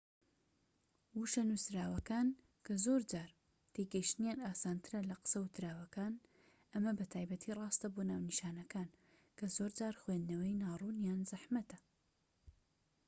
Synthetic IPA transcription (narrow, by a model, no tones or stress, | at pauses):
wuʃɐnusɾaːwɐkaːn | kʰɐzoːɾd͡ʒaːɾ | t̪ʰeɡɐjiʃt̪ɨnjanaːsaːnt̪ʰɨɾɐlɐqə̥sɐwt̪ʰɾaːwɐkaːn | ʔɐmɐbɐt̪ʰaːjbɐt̪ʰiːrˤɑːst̪ɐbonaːwniʃaːnɐkaːn | kʰɐzoːɾd͡ʒaːɾxwend̪nɐwɐjnaːrˤunjaːnzɐħmɐt̪ɐ